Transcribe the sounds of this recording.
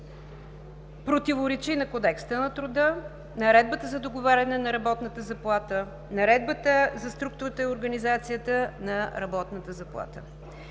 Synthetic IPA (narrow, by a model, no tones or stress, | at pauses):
pɾot̪ivoɾɛt͡ʃinɐkod̪ɛkst̪ənɐt̪ɾud̪ə | nɐɾɛd̪̚bət̪əzɐd̪oɡovaɾʲɐnɛnɐɾɐbɔt̪nət̪əzɐplˠat̪ə | nɐɾɛd̪̚bət̪əzɐst̪ɾuk̚t̪ʊɾət̪əioɾɡənizat̪sijət̪ənɐɾɐbɔt̪nət̪əzɐplˠa̰t̪ə̰